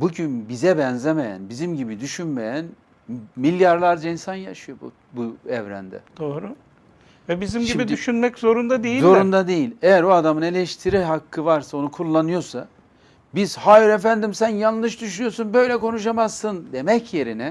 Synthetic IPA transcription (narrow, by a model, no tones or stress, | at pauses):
buɟynbizɛbɛnzeme̞jæ̰nbizimɟibid̪yʃynme̞jæn | milʲːjaɾlˠaɾd͡ʒainsanja̰ʃɯjo̞bṵ | buɛvɾæ̰nd̪ɛ̰d̪̥oːɾu | vɛbizimɟibid̪yʃynmɛczo̞ɾund̪ad̪ejizo̞ɾund̪ad̪e̞jilʲejæɾoad̪amɯne̞lʲɛʃt̪ʰiɾiɦakʰːɯvaɾsao̞nukʰulˠːanɯjo̞sa | biz̥hajɾefænd̪imsænjanˠlˠɯʃd̪yʃynyjo̞ɾsunbø̞jlʲɛkʰo̞nuʃ̬amaz̥ːɯnd̪e̞mɛcje̞ɾinɛ